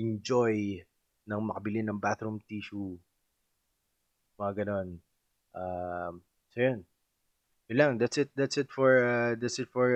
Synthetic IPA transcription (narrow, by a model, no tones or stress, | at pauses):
ʔɪnd͡ʒoj | nɐŋmɐkɐbɪlɪnɐŋbat̪ɾumt̪iːʃu | mɐŋaɡɐno̞n | ʔam | sojon | jʊlaŋd̪at̪sɪt̪̚d̪at̪sɪt̪fɔɹad̪at̪sɪt̪̚fɔɹ